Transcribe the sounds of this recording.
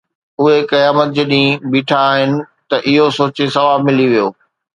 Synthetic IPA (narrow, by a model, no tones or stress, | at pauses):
ʊɦekɐjaːmət̪̚d͡ʑeɗĩbiːʈʰaːɦɪnɪ̆ | t̪ɐʔɪɦosoːt͡ɕesɐʋaːmɪliʋijoː